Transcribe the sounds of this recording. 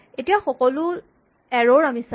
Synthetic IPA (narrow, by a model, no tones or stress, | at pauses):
etijaxɔkɔlʊ | ɛɹoɹamisa